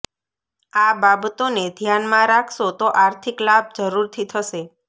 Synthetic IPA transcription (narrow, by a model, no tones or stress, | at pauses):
ababət̪oned̪ʱjanmãɾakʰʃot̪oʔaɾt̪ʰiklab̚d͡ʒəɾuɾt̪ʰit̪ʰəʃe